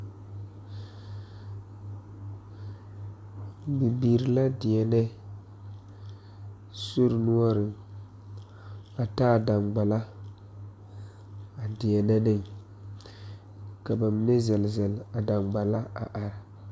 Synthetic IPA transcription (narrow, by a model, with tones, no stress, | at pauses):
bi˨biː˨ɾi˨la˦dɪ˨ɛ˨nɛ˦ | so˦ɾnu˦ɔ˦ɾɪ˨ | a˨taː˦˨da˨nɡ͡ba˨la˦ | a˨dɪ˨ɛ˨nɛ˦nɪ˦˨ŋ | ka˨ba˨mi˨ne˦zɛ˨lzɛ˨la˨da˨mɡ͡ba˨la˦a̰˨ʔa˨ɾɪ˨